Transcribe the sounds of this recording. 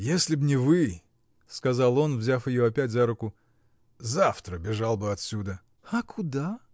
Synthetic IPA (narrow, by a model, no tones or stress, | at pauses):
jesʲlʲɪbnʲɪvɨ | skɐzɑlˠo̞nvzʲafɪjo̞ɐpʲætʲzaɾʊkʊ | zaft̪ɾəbʲɪʐalˠbɨɐt̪sʲud̪ə | ɐkʊd̪a